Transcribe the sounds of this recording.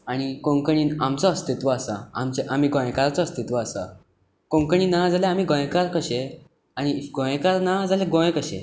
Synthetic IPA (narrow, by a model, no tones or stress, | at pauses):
aɽ̃ikõŋkəɳiːnamt͡sɔːst̪it̪ʋəːsa̰a̰mt͡ɕeʔam̤iːɡõjkaɾat͡sɔəst̪it̪ʋəːsa̰ | kõŋkəɳiːnad͡zaleam̤iːɡõjkaɾkəɕe | aɽ̃iɡõjkaɾnad͡zaleɡõjkəɕḛ